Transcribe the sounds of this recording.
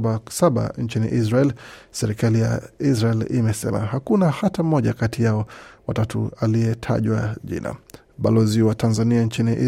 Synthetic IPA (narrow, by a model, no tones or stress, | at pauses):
asaɓa̰nt͡ʃinḭʔiz̬ɾaɛlsɛɾikalija̰izɾaɛlḭmɛsɛ̰ma̰hakunahatam̩mɔʄakatijaɔwatatṵaliɛtʰa̰ʄwaʄḭna̰ | ɓalɔziwatʰanzaniant͡ʃiniʔi